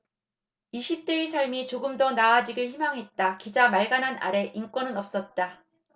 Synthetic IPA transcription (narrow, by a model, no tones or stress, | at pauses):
iɕʰip̚t͈e̞ːsʰaɭmit͡ɕoɡɯmdʌnaːd͡ʑiɡɯɭçimaŋɦe̞t̚t͈akid͡ʑamaɭɡananʔa̰ɾe̞ʔink͈wʌnɯnʌp̚s͈ʌt̚t͈a